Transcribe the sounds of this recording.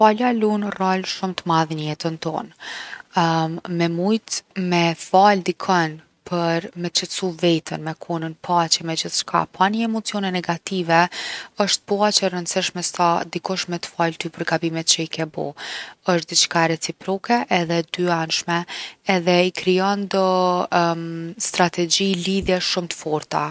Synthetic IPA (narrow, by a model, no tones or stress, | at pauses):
falalunralʃumt̪əmaðɲəjɛt̪ənt̪ɔ̰n | mɛmujt̪mɛfald̪ikʰɔn | pʰəɾmɛt͡ʃət͡suvɛt̪ənmɛkʰunənpʰat͡ɕɛmɛd͡ʑiθʃkʰa̰pʰanəɛmɔt͡siɔnɛnɛɡat̪ivɛəʃt̪̚pɔat͡ɕərənsiʃmɛsad̪ikɔʃmɛt̪falt̪ypəɾɡabimɛt̪̚t͡ɕəikɛbɔ̰əʃt̪̚d̪itt͡ʃkaɾɛt͡sipɾɔkɛʔɛðɛd̪yanʃmɛːðɛikɾiɔnd̪ɔ | st̪ɾat̪ɛd͡ʑiliðjɛʃumt̪ə̥fɔɾt̪a